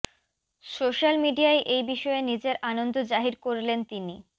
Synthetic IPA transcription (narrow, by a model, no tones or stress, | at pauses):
soʃalmiɖiaeʔejbiʃɔenid͡ʑeɾʔanond̪ʱod͡ʑaɦiɾkoɾlent̪ini